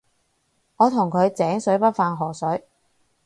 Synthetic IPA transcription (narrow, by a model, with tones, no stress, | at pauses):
ŋɔː˨˧t̪ʰʊ˨˩ŋkʰɵ˨˧ɥt͡sɛː˨˥ŋsɵ˨˥ɥpɐ˥t̚faː˧nɦɔː˨˩sɵ˨˥ɥ